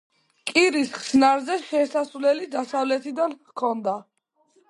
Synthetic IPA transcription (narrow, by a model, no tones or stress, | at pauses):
kʼiɾisχsnaɾzɛʃɛsasvlɛlid̪asavlɛt̪ʰid̪an | kʰɔnd̪a